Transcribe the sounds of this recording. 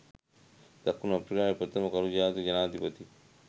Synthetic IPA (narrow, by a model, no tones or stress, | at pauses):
t̪ɐkːunɐpɾikaːeput̪ɐmɐkɐɾud͡ʒaːt̪ud͡ʒɐnaːd̪ʱipət̪i